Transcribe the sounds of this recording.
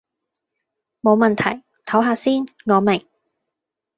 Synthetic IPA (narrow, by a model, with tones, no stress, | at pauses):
mo˨˧wmɐ˨nt̪ʰɐ˨˩j | t̪ʰɐ˨˥wɦaː˧siː˥nŋɔː˨˧mɪ˨˩ŋ